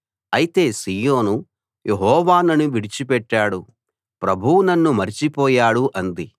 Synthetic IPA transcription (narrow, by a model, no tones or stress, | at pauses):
ɐjit̪e̞ːsiːjoːnu | jʔe̞ɦɔːʋaːnɐnuʋiɽit͡ʃipɛʈːaːɽu | pɾɐbʱuwunɐnːumɐɾit͡ʃipɔːjaːɽuʔɐnd̪i